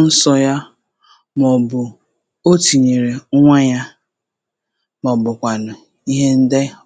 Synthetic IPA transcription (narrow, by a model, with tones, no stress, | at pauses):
n̩˦sɔ˦ja˦ | m˨ɔ˨bʊ˨ | o˦ti˨ɲe˨ɾe˨˦ŋʷa˦ɲa˦ | mɔ˨bʊ˨kʷa˨nʊ˨ | i˦ɦe˦n̩˦de˦